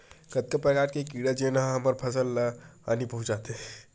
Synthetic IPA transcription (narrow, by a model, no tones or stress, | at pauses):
kət̪̚kəpɾəkaːɾkekiɽəd͡ʒenaɦəməɾpʰəsəlːa̰nipəɦũt͡ʃd͡ʒaːt̪e